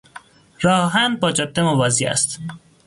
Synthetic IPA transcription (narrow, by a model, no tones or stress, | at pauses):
ɾɒːɦænbɒːd͡ʒɒb̚d̪emovɒːziæ̰st̪